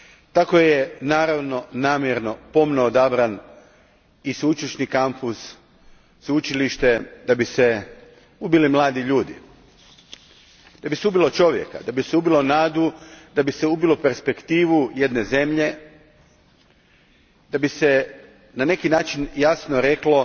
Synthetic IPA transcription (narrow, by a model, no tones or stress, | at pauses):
t̪akojenaːɾaʋno̞naːmjeɾno̞po̞mnood̪abɾan | isut͡ʃiʃnikampusː | ut͡ʃiliʃt̪e̞d̪abise | ubilimlˠaːd̪iʎuːd̪ḭ | d̪̥abiseubilˠo̞t͡ʃo̞ʋje̞̰ka̰d̪abiseubilˠo̞naːd̪ud̪abiseubilope̞ɾspe̞kt̪iːʋuje̞d̪ne̞ze̞mʎe̞ | d̪̥abise | nane̞kinaːt͡ʃinjasnoɾe̞klo̞